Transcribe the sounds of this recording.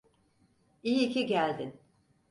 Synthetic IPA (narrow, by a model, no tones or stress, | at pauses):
ijiːcʰiɟælʲd̪in